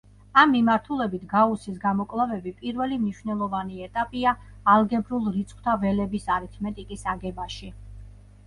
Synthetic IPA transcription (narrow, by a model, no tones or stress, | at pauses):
amːimaɾt̪ʰulɛbit̪ʰɡausisɡamɔkʼlˠavɛbipʼiɾvɛlimniʃwvnɛlˠɔvaniɛt̪ʼapʼiaːlˠɡɛbɾulˠɾit̪sʰʼχwt̪ʰavɛlɛbisaɾit̪ʰmɛt̪ʼikʼisaɡɛbaʃi